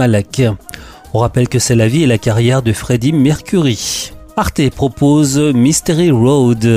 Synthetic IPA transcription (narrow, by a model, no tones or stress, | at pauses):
alak | ɔ̃ʁapɛlkəsɛlavielakaʁjɛʁd̪əfχed̪imɛʁkʲyʁiaʁt̪epχɔpozmist̪eʁiʁod̪